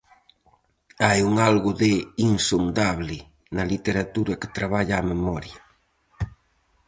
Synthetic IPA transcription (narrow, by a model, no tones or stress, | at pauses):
ajuŋalɣʊðeiŋsond̪aβlɪ | nɐlit̪eɾat̪uɾɐke̥t̪ɾaβaʎaːmemɔɾja